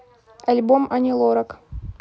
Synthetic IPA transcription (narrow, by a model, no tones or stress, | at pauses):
ɐlʲbomɐnʲɪlˠoɾɐk